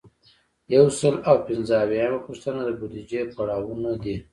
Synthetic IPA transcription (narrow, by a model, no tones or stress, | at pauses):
jawsəlawpɪnzəawjɑjamapʊʂt̪ənad̪əbud̪id͡ʒepaɽɑwunad̪i